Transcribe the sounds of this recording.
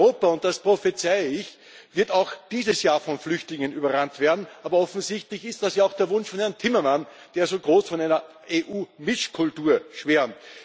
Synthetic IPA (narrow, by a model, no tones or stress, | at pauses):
oːpɐʊnt̚d̥aspʁ̥ofɛt͡saɪəɪç | vɪɐtaʊxd̥iːzəsjaːfɔnflʏçtlɪŋənʔyːbɐʁantv̥eːɐdn̩ʔaːbɐɔfn̩zɪçtlɪçɪst̚d̥asjaːaʊxd̥eːɐvʊnʃfɔnhɛɐntʰɪmɐman | d̥eːɐzoːɡʁoːsfɔnæɪnɐ | ʔeːʔuːmɪʃkʰʊltuːɐʃveɐmt